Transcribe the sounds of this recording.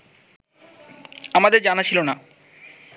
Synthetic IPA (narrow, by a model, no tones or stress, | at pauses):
amad̪eɾd͡ʑanat͡ɕʰilona